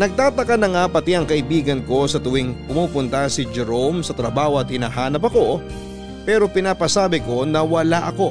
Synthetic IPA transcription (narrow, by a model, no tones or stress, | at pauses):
nɐɡ̚t̪aːt̪ɐkɐnɐŋapɐt̪ɪɐŋkɐʔɪbiːɡɐnko̞sɐt̪ʊwɪŋpʊmuːpʊnt̪ɐsɪd͡ʒɛɾo̞msɐt̪ɾɐbaːhoɐt̪̚hɪnaːɦaːnɐp̬ɐko̞ | pɛːɾo̞pɪnaːpɐsaːbɪko̞nɐwɐlaʔɐko̞